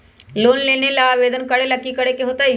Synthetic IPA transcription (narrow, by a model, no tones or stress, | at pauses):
loːnleːnelaːʋeːd̪ənkəɽelɐkːikəɽekeɦoːt̪a